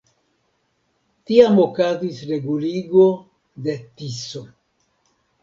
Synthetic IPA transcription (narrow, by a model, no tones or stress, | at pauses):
tiamo̞kazisɾe̞ɡuliɡo | de̞tiso